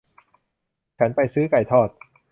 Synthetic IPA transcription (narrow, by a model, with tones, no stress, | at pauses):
t͡ɕʰa˦˥npa˧jsɯː˦˥ka˨˩jt̪ʰɔː˥˩t̪̚